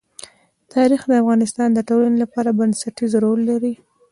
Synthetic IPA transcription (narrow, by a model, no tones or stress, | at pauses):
t̪ʰɑɾixd̪əafɣɑnɪst̪ɑnd̪əʈolanelapɑɾabansaʈizoɾolːaɾi